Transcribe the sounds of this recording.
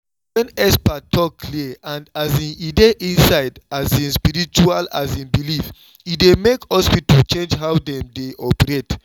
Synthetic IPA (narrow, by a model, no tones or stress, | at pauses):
wɛ̃nɛspatʰɔkʰːliãndazĩnideʔĩnsaɪdazĩnspiɾit͡ʃuala̰zĩnbilif | idemekhɔspitolt͡ʃẽnd͡ʒɦawdɛ̃mdeʔɔpɛɹet